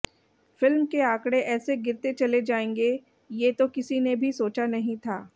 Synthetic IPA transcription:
fɪlmkeaːkɽeʔɛːseɡɪɾt̪et͡ʃɐled͡ʒaːẽːŋɡe | jeːt̪okɪsinebʱisoːt͡ʃanɐɦĩt̪ʰaː

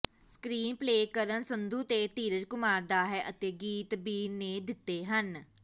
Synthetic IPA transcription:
skɾiːnpleːkəɾənsənd̪uːt̪eːt̪iːɾəd͡ʒkʊmaːɾd̪aːɦɛːʔət̪eːɡiːt̪biːneːd̪ɪt̪ːeːɦən

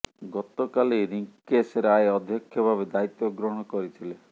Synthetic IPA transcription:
ɡɔt̪ɔkaliɾiŋkeseɾeaeɔd̪ʱjɔkʰːjɔbʱabed̪ait̪jɔɡɾɔɽ̃ɔkɔɾit̪ʰile

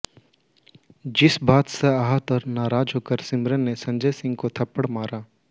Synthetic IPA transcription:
d͡ʒɪsbaːt̪seaːɦət̪ɔːɾnaːɾaːd͡ʒɦoːkəɾsɪmɾənːesɐ̃ɲd͡ʒəjsɪ̃ŋɡ̚kot̪ʰɐpːəɽmaːɾaː

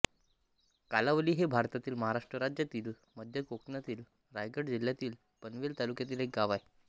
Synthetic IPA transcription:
kalaʋəliːɦebʱaɾt̪at̪iːlməɦaɾaʂʈɾəɾad͡ʑjat̪iːl | məd̪ʱjəkoknat̪iːl | ɾajɡəɽd͡ʑiljat̪iːl | pənʋelt̪alukjat̪iːlɦek̚ɡaʋaj

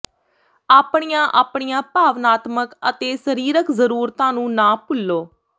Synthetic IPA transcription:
aːpɳijãːʔaːpɳijãːpaːʋnaːt̪məkət̪eːsəɾiːɾəkzəɾuːɾt̪ãːnũːnãːpʊlːoː

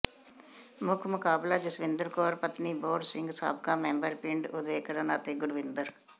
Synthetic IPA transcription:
mʊkʰmʊkaːblaːd͡ʒɪsʋɪ̃nd̪əɾkɔːɾpət̪niːboːɖsɪ̃ŋɡsa̰ːbkãːmɛ̃ːmbəɾpɪɳɖʊd̪eːkəɾənaːt̪eːɡʊɽʋɪnd̪əɾ

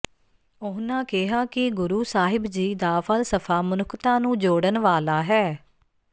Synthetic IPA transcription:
ʊɦnãːkɪɦaːkɪɡʊɾuːsaːɦɪbd͡ʒiːd̪aːfʰəlsəpʰaːmʊnʊkt̪ãːnũːd͡ʒoːɽənʋaːlaːɦɛː

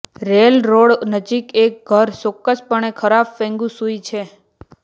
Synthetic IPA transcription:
ɾelɾoɽnəd͡ʒikek̚ɡʱəɾsokːəspəɳekʰəɾafːẽŋɡũsuit͡ʃʰe

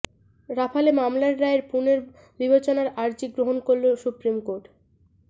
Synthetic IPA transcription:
ɾapʰalemamlaɾːaeɾpuneɾ | bibet͡ɕonaɾaɾd͡ʑiɡɾoɦonkoɾlosupɾimkoɾʈ

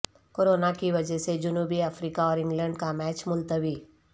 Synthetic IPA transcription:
koːɾoːnakiʋɐd͡ʒɛsed͡ʒʊnuːbiəfɾiːkaɔːɾɪ̃ŋɡlɛ̃ːɳɖkamɛːt͡ʃmʊlt̪əʋiː

